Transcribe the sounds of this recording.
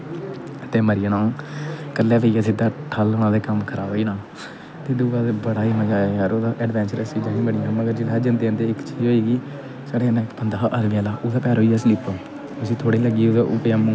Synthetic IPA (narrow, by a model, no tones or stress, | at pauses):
t̪eːməɾɪjəːnãːkəlːɛːpeiːaːsɪd̪aːʈʰəlʊːñãːd̪eːkəmkʰəɾaːbiːnãː | t̪eːd̪uːɡaːd̪eːbəɽaːimãːd͡ʒaːaɦɾoːd̪aːʔɛːɖʋɛ̃ːnt͡ʃəɾəsiːd͡ʒãːɦĩːbəɽɪjãːməɡəɾd͡ʒɪlaːd͡ʒənd̪eːəːnd̪eːɪkt͡ʃiːd͡ʒɦoːiːɡiː | saːɽeːnẽːkpənd̪aːʔəd̪miːaːlaːʔoːd̪aːpɛːɾɦoːiːaːsliːpoː | ʊsĩːt̪ʰoːɽiːləɡiːod̪aʔʊpeamũː